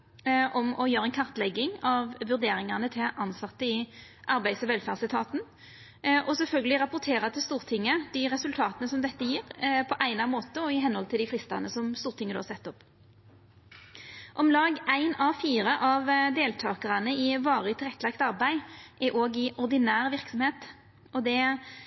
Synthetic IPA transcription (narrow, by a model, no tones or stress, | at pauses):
ʔɔmɔjøːɾəɛɪnkʰɑʁt̪lɛɡːɪŋɑʋʋʉʁd̪eːɾɪŋɑnət̪ʰɪlʔɑnsɑt̪ːəɪʔɑɾbæɪsɔʋɛlfæːʁsɪt̪ʰɑːt̪n̩ | ʔɔsɛlfœlɡəlɪʁɑpʊʁt̪ʰeːʁɑt̪ʰɪlst̪uːʁt̪ʰɪŋːəd̪ɪʁɛsʉlt̪ʰɑːt̪ənəsɔmd̪ɛt̪ːəjiːʁpʰɔʔæɪnɑmoːt̪əɔɪɦɛnːɔlt̪ʰɪld̪ɪflɪst̪ɑ̰nəsɔmst̪uːʁt̪ɪŋəd̪ʉːhɑsɛt̪ːɔpː | ʔɔmlɑːɡæɪnɑʋfiːɾəʔɑʋd̪eːlt̪ʰɑːkəʁɑnəɪʋɑːʁɪt̪ʰɪlʁɛt̪ːəlɑkt̪ɑɾbæɪʔɛʔoːɡɪʔɔʁd̪ɪnæːʁʋɪʁksɔmheːt̪ | ɔd̪ɛ